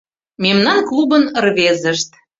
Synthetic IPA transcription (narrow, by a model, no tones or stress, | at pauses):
memnɑnklˠubənərβezəʃt̪